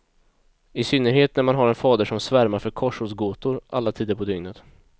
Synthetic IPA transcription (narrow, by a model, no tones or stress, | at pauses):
ɪsʏnːəɾɦeːt̪næɾmanɦaɾɛnfɑːd̪əʂɔmsvæɾmaɾfœɾkʰɔʂhuːsɡoːt̪ʊɾʔa̰lːat̪ʰiːd̪əɾpʰɔd̪ʏŋnət̪